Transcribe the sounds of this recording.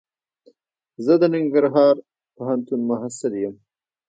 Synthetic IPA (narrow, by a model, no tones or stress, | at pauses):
zəd̪ənɪŋɡəɾɦɑːɾ | paɦant̪unmʊɦasɪljəm